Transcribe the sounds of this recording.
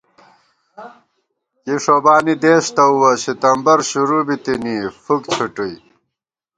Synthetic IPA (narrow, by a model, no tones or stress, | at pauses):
kiʂobaːnid̪eːɕt̪ɐuwɐɕit̪ɐmbɐɾɕuɾubit̪iniːfukt͡ɕʰuʈuj